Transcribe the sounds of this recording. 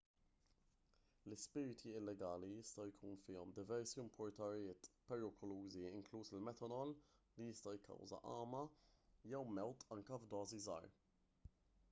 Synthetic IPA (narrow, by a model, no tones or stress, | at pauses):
lɪspɪːɾɪt̪ʰiɪlːɛɡɐːlijɪst̪ɐjkʰuːnfɪːɔmd̪ɪvɛɾsiɪmpʰɔɾt̪ɐɾijɪːt̪pɛɾɪkʰɔluːziɪŋkluːsɪlmɛt̪ɐnɔllijɪst̪ɐjkʰːɐ̰wzɐ̰ʔɐːmɐjɛwmɛwt̪ɐŋkɐvd̪ɔːzizɐ̰ːɾ